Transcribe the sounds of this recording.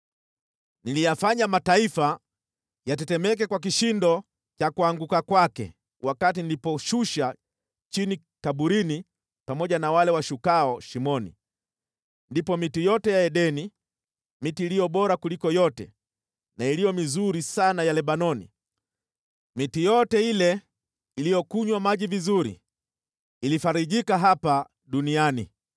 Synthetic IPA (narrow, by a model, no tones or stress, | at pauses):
nilijafaɲamataifa | jatɛtɛmɛk̬ɛkwak̬iʃindɔ | t͡ʃakuaŋɡukakwakɛ̰ | wakatinilipɔʃuʃa | t͡ʃini | kaɓuɾini | pamɔʄanawalɛwaʃukaɔʃimɔnḭ | ndipɔmitijɔtɛjaɛɗɛni | mitiːlijɔɓɔɾakulikɔjɔtɛ̰ | nailijɔmizuɾisanajalɛɓanɔnḭ | mitijɔtɛilɛ | ilijɔkuɲwamaʄivizuɾḭː | lifaɾiʄikaɦapa | ɗuniani